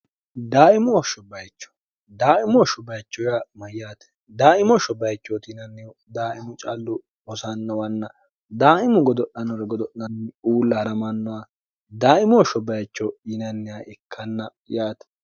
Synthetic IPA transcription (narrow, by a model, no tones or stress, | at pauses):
d̪aːɪmɔːʃɔbɐjt͡ʃːɔ̥ | d̪aːʔɪmɔʃɔbɐjt͡ʃːɔjamɐjːaːt̪ɛ̥ | d̪aːɪmɔʃɔbɐjt͡ʃːot̪ɪnɐnːɪ | d̪aːʔɪmʊt͡ʃʼalːʊ | ɔsɐnːɐwɐnːɐ | d̪aːʔɪmʊɡɔd̪ɔʔɐnɔɾɐɡɔd̪ɔʔɐnːuːlːɐhɐɾɐmɐnːɔwa | d̪aːʔɪmɔːʃɔbɐjt͡ʃːɔɪnɐnːɪaʔɪkʰːɐnːɐ | jaːt̪ɛ̥